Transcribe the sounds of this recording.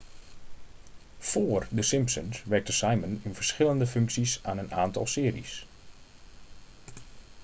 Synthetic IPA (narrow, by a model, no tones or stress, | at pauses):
foːərdəsɪmpsə̰nsʋɛrk̚təsajmənɪnvərsχɪləndəfɵŋksisaːnəna̰ːntɑ̰lˠsɪːərḭs